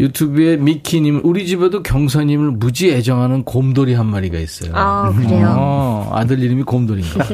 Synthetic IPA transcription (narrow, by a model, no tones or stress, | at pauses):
jutʰube̞mikʰiɲimɯɭʔuɾid͡ʑibedokjʌŋsʰʌɲimɯɭmud͡ʑie̞d͡ʑʌŋɦanɯnkomdoɾiɦanmaɾiɡa̰is͈ʌ̰jo̰ | a̰dɯʎːiɾɯmikomdoɾiŋɡa